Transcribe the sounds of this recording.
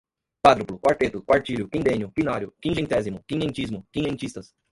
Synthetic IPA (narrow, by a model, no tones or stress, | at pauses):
kwad̪ɾʊplʊkwaɾt̪et̪ʊkwaɾt͡ʃiʎʊkĩd̪ẽɲjʊpinaɾjʊkĩnʒẽnt̪ɛzimʊkĩɲẽnt͡ʃizmʊkĩɲẽnt͡ʃist̪ɐs